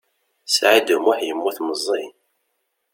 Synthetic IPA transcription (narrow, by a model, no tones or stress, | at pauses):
sʕid̪əmwaħjəmːuθməzˤːin